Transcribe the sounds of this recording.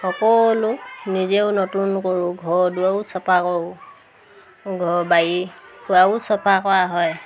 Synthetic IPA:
xɔkɔlunizeʊnotunkoɹuɡʱɔɹduaʊsɔpʰakoɹʊ | ɡʱɔɹbajikuaʊsɔpʰakɔɹaɦɔj

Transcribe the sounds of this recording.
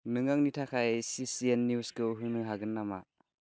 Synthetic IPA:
nɯŋaŋnitʰakʰajsisiɛnːjuskɯɦɯnɯɦaɡɯnːama

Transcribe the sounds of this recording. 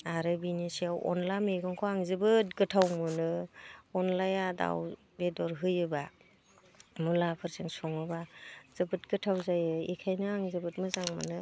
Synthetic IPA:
aɾɯbinisiawɔ̰nlameɡɯŋkʰɔaŋzɯbɯt̚ɡɯtʰawmɯnɯɔnlajada̰w | bedɔɾɦɯjɯba | mulapʰɯɾzɯŋsɔŋɯbaz̥ɯbɯt̚ɡɯtʰawzajɯḛkʰajnɯaŋzɯbɯt̚mɯzaŋmɯ̰nɯ

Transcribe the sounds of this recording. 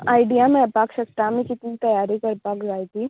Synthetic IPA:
aːɪɖijamẽpaːkʃɐkʈ̪amẽkɪt̪nit̪ɐjaːɾikɐɾpaːkd͡ʒaːit̪ʰiː

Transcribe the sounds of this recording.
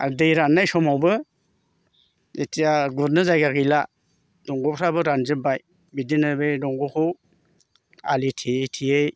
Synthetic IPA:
a̰ɾdejɾanːajsɔmawbɯ | etʰijaɡuɾnɯzajɡaɡijla | d̥ɔŋɡɔpʰɾabɯɾanzɯbaj | bidinɯbejdɔŋɡɔkʰɯw | a̰litʰiejtʰiej

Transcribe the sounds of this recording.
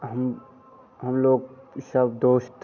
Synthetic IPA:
ɦəm | ɦəmloːɡ̚səbd̪oːʃt̪

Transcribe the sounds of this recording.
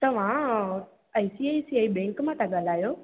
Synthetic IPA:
t̪ɐʋ̤ã | aːisiaisiaːibɛ̃ːŋkmãt̪ʰaɠaːl̤aːjoː

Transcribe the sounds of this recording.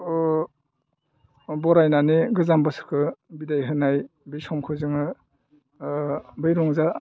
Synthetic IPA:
bɔɾajnaneɡɯzambɯsɯ̥kʰɯbidajɦɯnajbisɔmkʰɯzɯŋɯ | bɯjɾɔŋza

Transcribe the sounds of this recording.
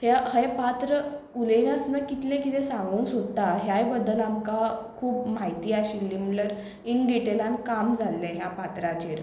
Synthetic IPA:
haɦepat̪ɾə | ulinəsnəkit̪lẽkit̪ɛ̃sãŋɡuːnsot̪aɦjajbəd̪ːəlamkakʰuːpm̤ajt̪iːaɕiːlːimləɾ | iɳɖiʈelãnkamd͡zʱalːẽɦjapat̪ɾat͡ɕiɾ

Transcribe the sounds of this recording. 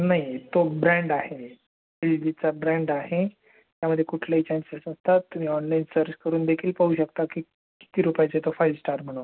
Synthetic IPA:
naɦjt̪obɾɛ̃ɳɖahe | fildit͡sabɾɛ̃ɳɖaɦe | t̪jaməd̪ʱːjekuʈʰlaɦit͡ɕansesnəst̪at̪ːum̤iːɔnlainsəɾt͡ɕkəɾuːnd̪ekʰiːlpaɦuːɕəkt̪aki | ki̥t̪iːɾupajt͡set̪ofajlsʈaɾm̤əɽ̃on

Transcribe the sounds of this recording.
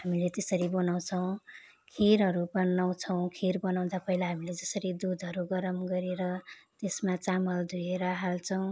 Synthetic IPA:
ɦamilet̪esʌɾibʌnaw̃t͡sʰʌw̃ | kʰiɾɦʌɾubʌnaw̃t͡sʰʌw̃kʰirbʌnaw̃d̪apʌɦilaɦamiled͡zʌsʌɾid̪ud̪ʱʌɾuɡʌɾʌmɡʌɾeɾʌt̪esmat͡samʌld̪ʱueɾʌɦalt͡sʰʌw̃

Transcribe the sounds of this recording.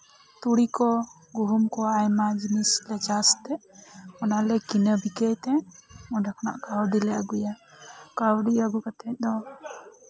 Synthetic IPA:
t̪uɽikɔ | ɡuɦumkɔajmad͡ʒinislɛt͡ʃast̪ɛɔnalɛkinəbikəjt̪ɛ̃ɔ̃ɖakʰna̰ʔkawɖilɛaɡujakawɖiaɡukat̪ɛt̪̚d̪ɔ

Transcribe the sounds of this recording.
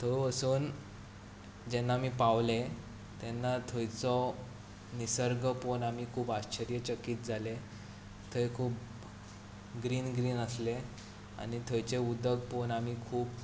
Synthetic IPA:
t̪ʰoəsuːn | d͡ʑɛnːamiːpaʋle | t̪ɛnːat̪ʰojt͡sɔ | nisəɾɡəponam̤iːkʰuːbaɕt͡ɕəɾjət͡ɕəkiːt̪̚d͡zʱale | t̪ʰəjkʰuːp | ɡɾiːnɡɾiːnəsle | a̰ñit̪ʰojt͡ɕeud̪əɡ̚ponamiːkʰuːb̚

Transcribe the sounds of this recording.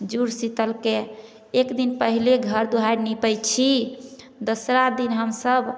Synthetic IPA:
d͡ʒuɾsit̪əlkeː | kd̪inpəɦileɡʱəɾd̪uɦaɾnipəjt͡ʃʰi | d̪osɾad̪inɦəmsəb

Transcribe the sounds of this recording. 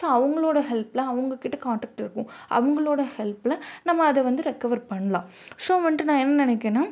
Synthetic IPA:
soːɐʋɐŋɡɐɭoːɽɐɦɛlplɐɐʋɐŋɡɐkɪʈːɐkaːɳʈɐːk̚ʈɪɾɯkːʊ̃ʔɐ̰ʋɐŋɡɐɭoːɽɐhɛlplɐnɐmːɐːðɛʋɐnd̪ɯɾɛkːɐʋɐɾpɐɳːɐlãː | soːʋɐɳʈːɯnãːɛnːɐnɪnɛkːenaː

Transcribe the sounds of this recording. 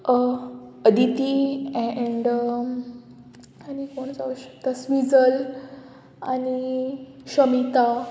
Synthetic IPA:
əd̪it̪iɛɳɖ | anikoɳt͡saʋəɕə̥k̚t̪asʋid͡zəl | aniɕəmit̪a

